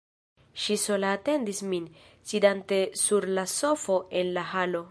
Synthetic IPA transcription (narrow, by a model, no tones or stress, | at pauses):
ʃisolaːte̞ndismin | sidante̞suɾlaso̞fo̞enlahalo̞